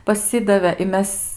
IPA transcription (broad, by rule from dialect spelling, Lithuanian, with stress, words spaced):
pɐˈsʲɪdɐʋʲeː ɪ ˈmʲɛs